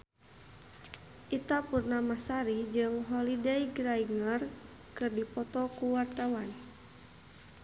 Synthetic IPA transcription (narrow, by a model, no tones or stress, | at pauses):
ʔit̪apurnamasaɾid͡ʒɨŋɦɔlidɛiɡɾaiŋər | kɨrdipɔt̪ɔkuwart̪awan